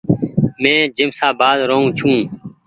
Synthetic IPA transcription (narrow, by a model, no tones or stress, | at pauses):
mɛ̃ːd͡ʒɪmsaːbaːd̪ɾəɦũːt͡ʃʰũː